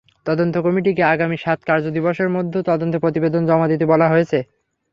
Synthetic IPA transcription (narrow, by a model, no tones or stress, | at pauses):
t̪ɔd̪ont̪okɔmiʈ̬ikeaɡamiʃat̪kaɾd͡ʑod̪iboʃeɾmod̪ʱːot̪ɔd̪ont̪opɾot̪ibed̪ond͡ʑɔmad̪it̪̬ebɔlaɦojet͡ɕʰe